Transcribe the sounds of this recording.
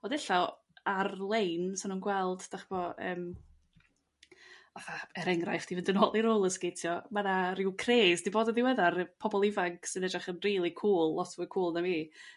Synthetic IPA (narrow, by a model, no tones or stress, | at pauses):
ɔdɛɬɔ | arlˠejnsɪnuːnɡwɛlˠd̥d̥aχb̥ɔə̰ːm | aθaɛɾɛŋrajfd̥ivɪndənɔlˠiɾoːlˠəsɡejtʰjɔmanaɾɪwkʰreːzdiboːdɔðɪwɛðarpʰɔbɔlˠɪvaŋksɨnɛd͡ʒraχənriːlˠikʰuːlˠːɔtʰvɨkʰuːlˠnamiː